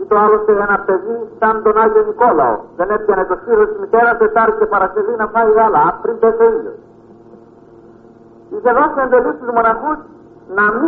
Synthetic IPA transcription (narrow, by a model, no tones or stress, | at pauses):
it̪oalost̪eenɐpeðisand̪onaʎoniko̞la̰o̰ðenepcenɐcosiɾesmit̪eɾɐset̪aɾt̪epɐɾɐt̪iðinɐfaiɣalaːpɾind̪et̪oiʎo̰s | iθeðosend̪elist̪izmonaxus | nɐmi